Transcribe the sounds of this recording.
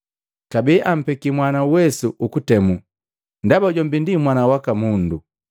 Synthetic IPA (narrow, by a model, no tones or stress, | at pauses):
kabiːʔam̩pɛkimwanauwɛsuʔukutɛmu | ndabaɟɔmbindimwanawakamundu